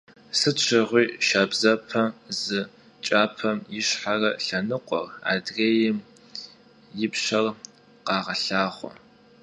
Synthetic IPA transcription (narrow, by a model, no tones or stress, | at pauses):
sɨt͡ʃʷʰɪʁʷiːʃaːbzɐpʰɐzɨ | t͡ʃʼaːpʰɐmjɪʃħarɐɬɐnɨqʷʼɔ̰ra̰ːdreːjɪm | jɪpɕɐr | qɑːʁɐɬaːχʷɔ̰